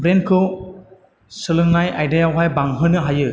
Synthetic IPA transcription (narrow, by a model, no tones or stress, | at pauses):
bɾenkʰɯw | sɯlɯŋnajʔajdejawɦajbaŋɦɯnɯɦajɯ